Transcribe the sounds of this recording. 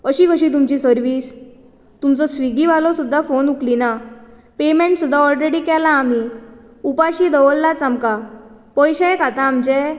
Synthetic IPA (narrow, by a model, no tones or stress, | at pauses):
əɕikəɕit̪̬umt͡ɕisəɾʋiːs | t̪umt͡sɔsʋiɡiʋalɔsud̪ʱːafonuklina | pemẽɳʈsud̪ʱːaɔlɾeɽikɛlaːmi | upaɕid̪ʱəʋəlːat͡samka | pɔjɕakat̪ãːmt͡ɕɛ